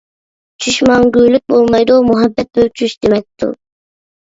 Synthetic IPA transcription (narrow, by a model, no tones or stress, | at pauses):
t͡ʃʰyʃmɑŋɡʲyːlyk̚ʲbolˠmɑjd̪umuɦɑbːɛt̪̚bøwt͡ʃʰyʃd̪̥emɛk̚ʲt̪ṵ